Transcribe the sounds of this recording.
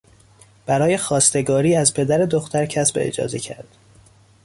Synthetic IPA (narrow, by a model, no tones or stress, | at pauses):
b̥æɾɒːje̞xɒːst̪e̞ɡɒːɾiːæzpʰe̞d̪æɾe̞d̪oxt̪ʰæɾcʰæsbeḛd͡ʒɒ̰ːzecʰæ̰ɾd̪̥